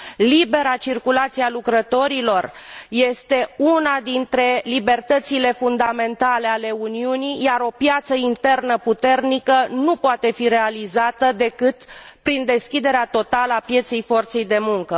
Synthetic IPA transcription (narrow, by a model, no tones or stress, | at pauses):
libe̞ɾat͡ʃirkulat̪sialukɾət̪o̞ɾilo̞rje̞st̪e̞unad̪int̪ɾe̞libe̞rt̪ət̪sile̞fund̪ame̞nt̪ale̞ale̞uniunijjaɾo̞pjat̪səint̪e̞rnəput̪e̞rnikənupoat̪e̞fiɾe̞alizat̪əd̪e̞kɨt̪pɾind̪e̞skʲid̪e̞ɾeat̪o̞t̪aləapje̞t̪se̞jfo̞rt̪se̞jd̪e̞muŋkə